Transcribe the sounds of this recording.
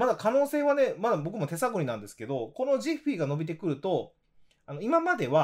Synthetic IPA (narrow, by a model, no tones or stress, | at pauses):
mad̪akano̞ːse̞ːβane̞mad̪abo̞k̬ɯ̟mo̞t̪e̞saɡo̞ɲ̟inãnd̪e̞sɨ̥ke̞d̪o̞ko̞no̞ʑiɸiːɡano̞bʲit̪̬e̞kɯ̟ɾɯ̟t̪o̞ | ano̞imamad̪e̞βa